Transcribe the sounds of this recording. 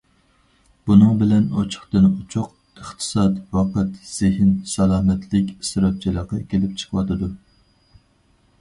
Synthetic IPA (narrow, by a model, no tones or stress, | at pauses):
b̥unɨŋbɪlɛnot͡ʃʰʊ̥χt̪ɨnut͡ʃʰʊq̚ | əχt̪ʰɨ̥sɑt̪wɑqət̪z̥ɪɦɪnsɑlˠɑːmɛt̪ʰlɪkʲsɨɾɑp̚t͡ʃʰilˠəqɑkʲʰelɪp̚t͡ʃʰə̥qʰəwɑt̪ɨd̪u